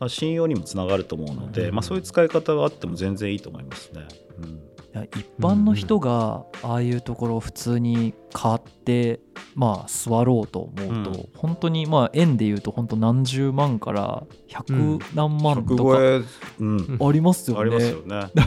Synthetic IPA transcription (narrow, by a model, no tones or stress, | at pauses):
maɕĩjo̞ːɲ̟imo̞t͡sɨnaɡaɾɯ̟t̪o̞ːmoɯ̟no̞̰d̪e̞maːso̞ːjɯ̟t͡sɨ̥kaikat̪aɡaːt̪ːe̞mo̞zẽ̞nd͡zẽiːt̪oːmo̞̰imasɨ̥ne̞ɯ̃ɴjaipːãnːo̞çi̥t̪o̞ɡaaːjɯ̟ːt̪o̞ko̞ɾo̞ːɸɯ̟̥t͡sɨːɲ̟ikʰaːt̪ːe̞ | maːsɨβaɾo̞ːt̪o̞̰ːmo̞ɯt̪o̞̰hõ̞nt̪o̞ɲ̟imaʔẽ̞nd̪e̞jɯ̟ːt̪o̞hõ̞nt̪onãɲ̟d͡ʑɨːmãŋka̰ɾa̰ | çakɯ̟nãmːãnk̪ookeɯ̃aɾʲimasɨjoɾinaejoned̪a